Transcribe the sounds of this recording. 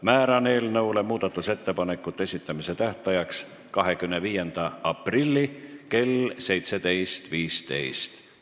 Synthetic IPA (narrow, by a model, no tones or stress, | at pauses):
mæːɾɑne̞ːlnɤwle̞muːd̪̥ɑt̪ːˑuse̞t̪ːe̞pɑnekːˑut̪ːˑee̞sʲit̪ːˑɑmise̞t̪æht̪ɑjɑks | kɑɦe̞kymneviːjend̪̥ɑɑprilʲːike̞lse̞jt̪set̪e̞jst̪viːst̪e̞̰jst̪